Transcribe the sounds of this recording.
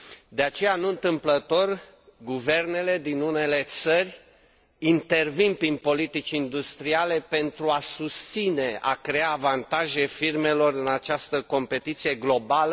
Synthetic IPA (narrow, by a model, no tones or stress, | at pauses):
d̪e̞at͡ʃe̞januɨnt̪ɨmplət̪o̞r | ɡuve̞rne̞le̞d̪inune̞le̞t̪sərʲ | int̪e̞rvinpɾinpo̞lit̪it͡ʃind̪ust̪ɾiale̞pe̞nt̪ɾuasust̪sine̞ʔa̰kɾe̞aːvant̪aʒe̞firme̞lo̞rɨnat͡ʃast̪əko̞mpe̞t̪it̪sije̞ɡlo̞balə